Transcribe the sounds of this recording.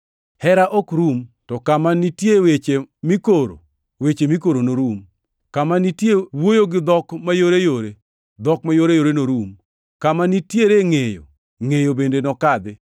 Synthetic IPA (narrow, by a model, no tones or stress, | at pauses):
hɛɾaʔɔkɾumtɔkamanitjewet͡ʃemikoɾo̰ | wet͡ʃemik̬oɾonoɾum | kamanitjewojoɡɪd̪ɔkmajoɾejoɾe | d̪ɔkmajoɾejoɾenoɾum | kamanitjeɾeŋejo̰ | ŋejobendenɔkad̪ɪ